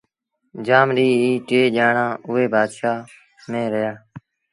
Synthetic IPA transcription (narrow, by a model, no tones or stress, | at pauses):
d͡ʒaːmɾiːiːʈeːʄaːɳãːʔʊːeːbʱaːd̪ʃaː | mẽːɾəjaː